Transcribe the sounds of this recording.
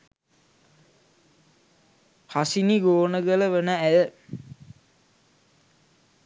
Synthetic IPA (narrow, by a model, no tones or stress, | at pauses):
pʰasiniɡoːnəɡələʋənəæjə